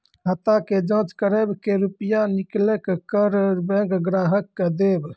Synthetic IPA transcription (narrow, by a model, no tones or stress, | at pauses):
ɦət̪aked͡ʒə̃ːt͡ʃkəɾebkeɾupjaniklekkəɾbɛ̃ɡɡɾaɦəkːd̪eb